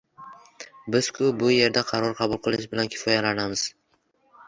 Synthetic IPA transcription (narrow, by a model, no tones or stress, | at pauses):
bɪz̥kʰʊbʊje̞ɾd̪aqʰɑɾɒɾqʰɑbʊlˠqʰɨlˠɪʃbɪlankʲʰɪ̥fɒjalanamɪz̥